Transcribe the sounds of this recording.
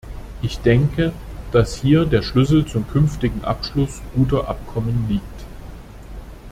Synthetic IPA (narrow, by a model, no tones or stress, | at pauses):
ʔɪçd̥ɛŋkəd̥ashiːɐdeːɐʃlʏsl̩t͡sʊmkʰʏnftɪɡŋ̩ʔa̰pʃlʊsɡ̥uːtɐʔa̰p̚kʰɔmənliːk̚t